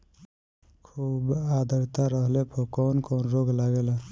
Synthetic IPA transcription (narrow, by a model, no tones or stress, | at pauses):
kʰuːbad̪ʱəɾt̪aɾəɦlepʰokɔnkɔːnɾoɡlaɡela